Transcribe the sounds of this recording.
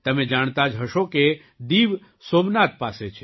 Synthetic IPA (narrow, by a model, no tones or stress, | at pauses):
t̪əmẽd͡ʒaɳ̃t̪ad͡ʒɦəʃoke | d̪iːʋ | soːmnat̪̚paːset͡ʃʰe